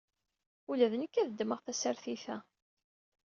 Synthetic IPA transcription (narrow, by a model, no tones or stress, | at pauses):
ulæðənəkːæðəd̪ːməʁθæsæɾθiθæ